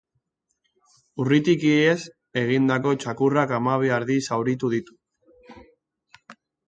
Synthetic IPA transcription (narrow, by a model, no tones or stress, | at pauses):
urit̪ikiees | e̞ɣ̞ind̪ako̞t͡ʃakurakamaβ̞eaɾðisawɾit̪uð̞it̪u̥